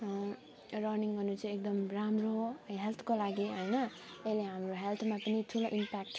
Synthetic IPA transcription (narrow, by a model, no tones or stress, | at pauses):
rʌrniŋɡʌrnut͡sʰʌ̃ek̚d̪ʌmramroɦelt̪ʰkolaɡiɦʌjnʌ | eleɦamroɦelt̪ʰmapʌnit̪ʰuloʔimpak̚ʈ